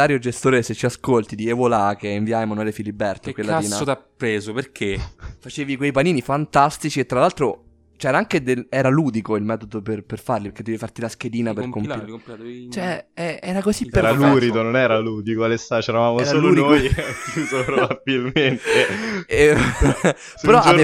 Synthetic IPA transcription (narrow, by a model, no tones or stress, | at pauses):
aːɾjod͡ʒest̪oːɾeset͡ʃːiaskolt̪id̪iɛvolakeiɱviajmanuɛlefilibːɛrt̪okwellaaiːnaot̪apːɾeːzoperkʰefat͡ʃeːvikwejpaniːnifant̪ast̪it͡ʃiet̪ːɾalːalt̪ɾo | t͡ʃɛːɾaaŋk̟ed̪elɛːɾaluːd̪ikoilmɛːt̪od̪operperfarlipeked̪ːeifart̪ilask̟eliːnaperkom | t͡ʃɛɛɛɾakozipːeɾaluɾid̪ononɛːɾaluːd̪ikoalesːat͡ʃɛɾavaːmosɾaolouːd̪iojakjuːzopɾobabilment̪e | peɾɔa